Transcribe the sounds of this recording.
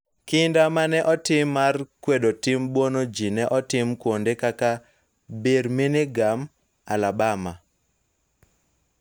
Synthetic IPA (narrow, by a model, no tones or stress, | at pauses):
kɪndamanɛʔɔtɪmːarkwedotɪmbwonod͡ʒinɛʔɔtɪmkwondekaka | beɾminɪɡam | alabama